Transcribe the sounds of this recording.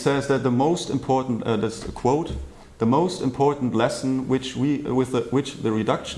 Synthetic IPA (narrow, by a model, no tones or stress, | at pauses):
sɛzðɨt̪̚ðəmoʊstɨ̰̃mpʰɔɹʔn̩tʌðɨtskʰw̥oʊt | ðəmoʊstɨ̃mpʰɔɹʔn̩tlɛsn̩wɪt͡ʃwiwɪðwɪt͡ʃðɨɹidʌkʃ